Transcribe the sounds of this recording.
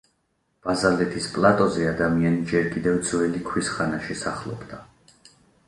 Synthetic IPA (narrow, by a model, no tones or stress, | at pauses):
b̥azalɛt̪ʰispʼlˠat̪ʼɔzɛad̪amianid͡ʒɛɾkʼid̪ɛvd̪zwɛlikʰwisχanaʃisaχlˠɔ̰bd̪a